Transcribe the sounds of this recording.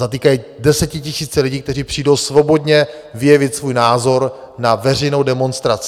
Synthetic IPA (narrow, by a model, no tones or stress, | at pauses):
at̪iːkajidɛsɛcɪcɪsiːt͡sɛlɪɟiːk̚t̪ɛr̝iːpr̝̥iːdo̞wsvo̞bo̞dɲɛ | vɪjɛvɪt̪svuːjnaːzo̞ɾ | navɛrɛjno̞wdɛmo̞nst̪ɾat͡sɪ